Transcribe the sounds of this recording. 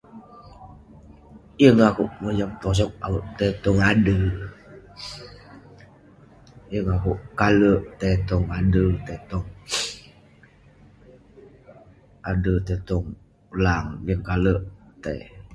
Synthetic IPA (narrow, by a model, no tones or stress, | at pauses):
jəŋakuʔməd͡ʒamt̪ɔs̬ɔk̚a̰wəʔt̪et̪ɔŋadə | jəŋakuʔkaləʔt̪et̪ɔŋadət̪et̪ɔŋ | adət̪et̪ɔŋ | laŋjəŋkaləʔt̪ḛ